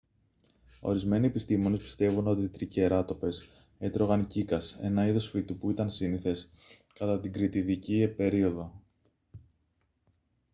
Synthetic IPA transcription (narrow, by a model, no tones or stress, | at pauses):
o̞̰ɾizme̞nie̞pist̪imo̞nespi̥st̪e̞vuno̞t̪it̪ɾiceɾɐt̪o̞pe̞s | e̞t̪ɾo̞ɣɐncikɐse̞̰nɐiðo̞sfit̪upuit̪ɐnsiniθe̞s | kɐt̪ɐt̪iɡɾit̪iðicipe̞ɾio̞ðo̞